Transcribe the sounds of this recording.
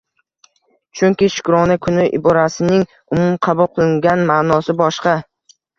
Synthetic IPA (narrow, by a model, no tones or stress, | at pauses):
t͡ʃʰʊŋkʲɪʃʊ̥kɾɒnakʰʊnɪʔɪ̰bɒɾasɪnɪŋ | ʊmʊmqʰɑbʊlˠqʰɨlˠɪŋɡʲanmaːnɒsɪbɒʃqɑ